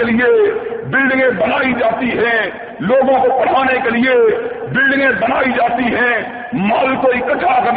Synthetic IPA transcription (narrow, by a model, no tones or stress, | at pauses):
elɪebɪlɖɪ̃ŋɡẽbənaːid͡ʒaːt̪iɦɛ̃ | loːɡõkopɐɽ̤aːnekelɪe | bɪlɖɪ̃ŋɡẽbənaːid͡ʒaːt̪iɦɛ̃ | maːlkoɪkətʰːakɐ